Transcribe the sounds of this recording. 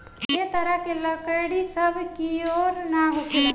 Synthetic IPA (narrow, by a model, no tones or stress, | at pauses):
jet̪əɾəɦkeləkəɽisəbʱkioɾnaɦokel